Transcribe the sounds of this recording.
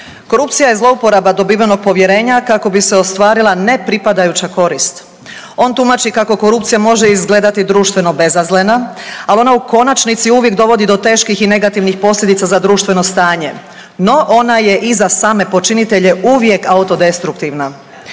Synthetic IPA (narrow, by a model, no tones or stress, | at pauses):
ko̞ɾupt̪sijaje̞zlˠo̞upo̞ɾabad̪o̞biːʋano̞ɡ̚po̞ʋje̞ɾe̞ːɲakako̞biseost̪ʋaːɾilˠane̞pɾipad̪ajut͡ɕako̞ɾist̪ | o̞ːnt̪umat͡ʃikako̞ko̞ɾup̚t̪sijamo̞ʒeizɡle̞d̪at̪id̪ɾuːʃt̪ʋe̞no̞be̞zazlenaalo̞nauko̞nat͡ʃnit̪siuʋjekd̪o̞ʋo̞d̪id̪o̞t̪e̞ːʃkixine̞ɡat̪iʋnixpo̞sʎʲje̞d̪it̪sazad̪ɾuːʃt̪ʋe̞no̞st̪aːɲe̞ | no̞ʔo̞naje̞ʔizasaːme̞po̞t͡ʃinit̪e̞ʎe̞uʋje̞kaut̪o̞d̪e̞st̪ɾukt̪iʋna